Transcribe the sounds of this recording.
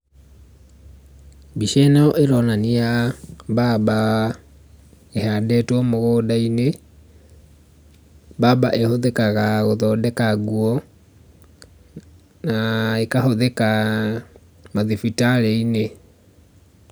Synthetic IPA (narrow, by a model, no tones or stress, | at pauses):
biʃɛnɛɔʔeɾɔnanijaβaba | ehadɛtɔmoɣoːdaine | babaʔehoðekaɣaɣoðɔdɛkaɣuɔ | naekaɦoðeka | maðifitaɾeine